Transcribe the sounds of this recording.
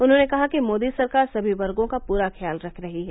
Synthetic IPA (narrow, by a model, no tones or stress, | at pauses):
ʊnɦõnekɐɦakimoːd̪isɐɾkaːɾsɐbʱiʋɐɾɡõkapuːɾaxjaːlɾɐkʰɾɐɦiɦɛː